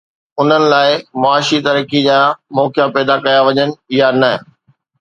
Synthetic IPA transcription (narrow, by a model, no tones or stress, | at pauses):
ʊn̤ənɪ̆laːɪmɐaːʃit̪ɐɾəkid͡ʑaːmɔːkjãpɛːd̪akɐjaʋɐɲənɪ̆ɪjanɐ